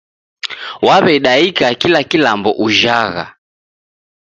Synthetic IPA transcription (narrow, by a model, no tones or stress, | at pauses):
waβɛɗaikakilakilambɔ̰ʔuʒaɣa̰